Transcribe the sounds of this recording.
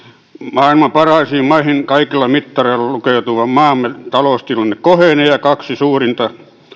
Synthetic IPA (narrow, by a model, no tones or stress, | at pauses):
mɑːilmɑpɑrɑˑisiːmmɑihinkɑikilːɑmit̪ːɑreilːˑɑlukeˑut̪uʋɑmmɑːmːet̪ɑloˑst̪ilɑnːekkoheˑnejɑkɑksisuːrint̪ɑ